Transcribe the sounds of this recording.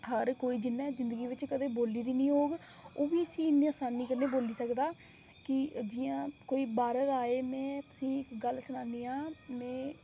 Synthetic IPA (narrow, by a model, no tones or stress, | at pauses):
ɦəɾkoːiːd͡ʒɪnːãːzɪ̃nd̪əɡiːʋɪt͡ʃkəd̪eːboːliːd̪iːnĩːɦoːɡ | oːʋiːəsĩːɪnːiːaːsaːniːkəɾneːboːliːsəkd̪aː | kɪd͡ʒɪːjãːkoːiːbaːɾət̪aːeːmɛ̃ːt̪ʊ̥sĩːɪkɡəlsʊnaːniːãːmɛ̃ː